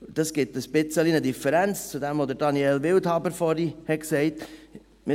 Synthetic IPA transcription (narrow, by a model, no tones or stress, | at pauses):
d̥ɑsɡ̥ɪtəspɪt͡səlinədifəɾænt͡st͡sudɛmvod̪əɾdɑniɛlvɪlthɑbəɾfɔɾihɛksɛɪt | mɪ